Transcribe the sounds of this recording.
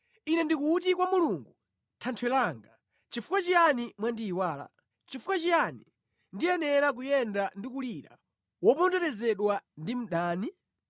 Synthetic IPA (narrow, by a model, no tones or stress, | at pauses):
inɛndikutikwamuluŋɡu | tʰantʰwɛlaːŋɡa | t͡ʃifukwat͡ʃijanimwandiːwaːla̰ | t͡ʃifukat͡ʃijanḭ | ndijɛnɛɾak̬ujɛndandikuliɾa̰ | wɔpɔndɔtɛzɛɗwandim̩ɗaːni